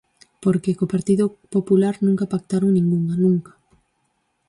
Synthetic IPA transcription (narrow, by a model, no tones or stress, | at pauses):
poɾkekopaɾt̪iðopopulaɾnũŋkapak̚t̪aɾoŋnĩŋɡuŋanũŋkḁ